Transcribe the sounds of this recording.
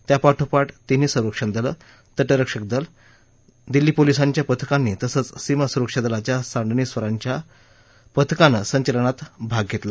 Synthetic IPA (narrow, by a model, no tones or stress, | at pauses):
t̪japaʈʰupaʈt̪iniːsə̃wɾəkʂənd̪ələ | t̪əʈəɾəkʂək̚d̪əl | d̪ilːiːpolisaɲt͡ɕjapət̪ʰkanːit̪əsət͡ssiməsuɾəkʂəd̪əlat͡ɕjasaɳɖ̪ɳiːsʋəɾaɲt͡ɕja | pət̪ʰkanəsəɲt͡ɕələnat̪bʱaɡ̚ɡʱet̪la